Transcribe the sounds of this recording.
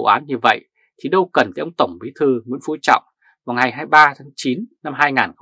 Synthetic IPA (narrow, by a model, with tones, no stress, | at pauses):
ʔaː˨˦nɲɨ˧və̰˧˨j | t̪ʰi˨˩ɗə˧wkə˨˩nt̪a˨˧˩ʔə˧wŋ͡mt̪ə˧˩wŋ͡mɓḭ˨˦˥t̪ʰɨ˧˩ŋwḭ˧˥ənfṵ˧˥t͡ɕɔ̰˧˨wŋ͡m | vaː˨˩wŋa˨˩jɦaː˧jɓaː˧t̪ʰaː˨˦ŋt͡ɕi˨˦nna˧mɦaː˧jŋaː˨˩n